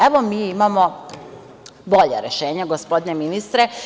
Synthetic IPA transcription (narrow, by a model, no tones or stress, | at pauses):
eʋomiːimamo̞ | bo̞ʎḛɾeʃeːɲaɡospo̞d̪neminist̪ɾe